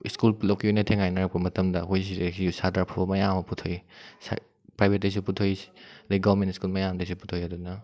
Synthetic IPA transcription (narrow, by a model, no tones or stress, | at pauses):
ḭskulplowkʰiujnɐtʰeŋajnɐɾɐk̚pɐmɐtɐmdɐɦojs̬idesisadaɾpʰabɐmɐjamɐputʰojsa̰ | pɾajbʱet̚dejs̬uputʰojleɡabɐɾmẽntiskulmɐjamdejsuputʰojɐdunɐ